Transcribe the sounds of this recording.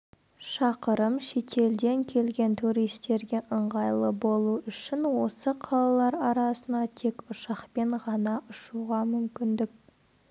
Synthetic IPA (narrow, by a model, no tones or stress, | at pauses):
ʃɑqəɾəmʃe̞t̪ʰe̞ld̪e̞ŋkʲʰe̞lɡʲe̞nt̪ʰuɾijst̪e̞ɾɡʲe̞ʔəɴʁɑjlˠəbo̞lˠuʏʃɪnwo̞səqʰɑlˠɑlˠɑɾɑɾɑsənɑt̪ʰe̞kʊʃɑqpe̞ɴʁɑnɑʔʊʃuʁɑmʏmkʲɪnd̪ɪk̚